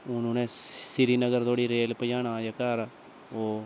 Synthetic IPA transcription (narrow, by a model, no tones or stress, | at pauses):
ʊnũːnẽːsɪɾiːnəɡəɾt̪ʰoːɽiːɾeːlpəjaːɽaːjaːkaːɾ | oː